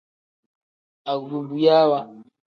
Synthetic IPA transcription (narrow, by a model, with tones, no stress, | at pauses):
a˨ɣu˨ɾu˨mbu˨ja˦wa˦